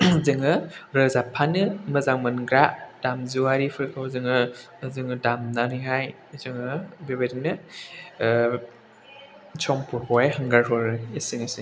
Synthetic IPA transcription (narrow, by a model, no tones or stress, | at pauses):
zɯŋɯɾɯzapʰanɯmɯzaŋmɯnɡɾaʔd̥amzuwaɾipʰɯɾkʰɯwzɯŋɯ | zɯŋɯdamnaniɦaj | zɯŋɯbebadinɯ | sʰɔŋpʰuɾhɔajɦɯŋɡaɹɦɔɾɯesinesi